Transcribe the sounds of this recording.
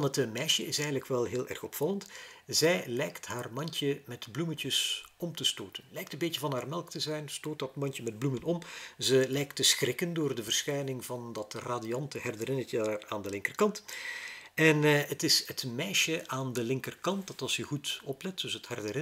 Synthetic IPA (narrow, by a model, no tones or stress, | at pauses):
nətmɛjʃəɪsɛjɣəndləkʋɛlˠɦeːlˠʔɛ̰rxɔpfɑləntzɛjlɛjktɦaːrmɑntəmɛtblumətəsɔmtəstoːtənlɛjktəmbeːcəvɑnɦaːrmɛlˠktəzɛjnstoːt̚dɑtmɑntəmɛd̚blumənɔmzəlɛjktəsxrɪkəndoːrdəvərsxɛjnɪŋvɑndɑtraːdijɑntəhɛrdəɾɪnətəaraːndəlɪŋkərkɑnt | ɛnətɪsətmɛjʃəʔaːndəlɪŋkərkɑnt̚dɑtɑlˠsjəɣutɔplɛtd̥ɵsəthɛrdərɪ